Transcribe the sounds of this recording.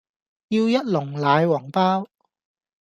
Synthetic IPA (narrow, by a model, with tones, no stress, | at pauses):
jiː˧wjɐ˥t̚lʊ˨˩ŋlaː˨˧jwɔː˨˩ŋpaː˥w